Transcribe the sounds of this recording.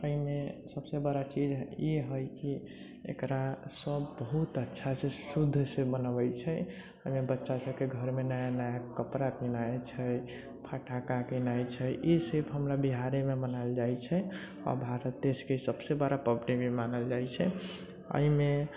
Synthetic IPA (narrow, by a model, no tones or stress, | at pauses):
əɦimesəbsebəɽat͡ʃid͡ʒeɦəjki | ḛkɾasəbːəɦut̪ətːʃʰasesud̪ʱːsebənəbəjt͡ʃʰɛ | əimebətːʃasəb̚keɡʱəɾmenajanajakəpɾakinat͡ʃʰɛ | pʰaʈʰakakinajt͡ʃʰɛʔesebɦəmɾabiɦaɾememənaɪld͡ʒajt͡ʃʰɛ | ɔ̰ɾbʱaɾət̪ːeskesəbsebəɾapəbnimemanəld͡ʒajt͡ʃʰɛ | ə̰ime